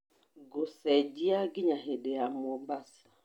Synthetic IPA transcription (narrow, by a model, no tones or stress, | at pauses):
ɡosɛd͡ʒiaɡɪɲaɦedeamombasḁ